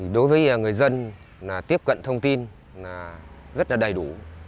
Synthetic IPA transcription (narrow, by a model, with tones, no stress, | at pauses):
i˨˩ɗo˨˦jvəː˨˦jəː˨˩ŋɨ˨˩əjzə˧n | laː˨˩t̪i˦˥əp̚kə̰˧˨nt̪ʰə˧wŋ͡mt̪i˧n | laː˨˩zə˦˥t̚laː˨˩ɗə˨˩jɗṵ˧˩